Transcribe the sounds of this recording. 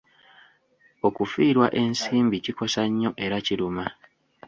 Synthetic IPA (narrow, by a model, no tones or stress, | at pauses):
o̞kufiːɾwaʔe̞nsiːmbiciko̞saɲːo̞ʔe̞ɾaciɾuma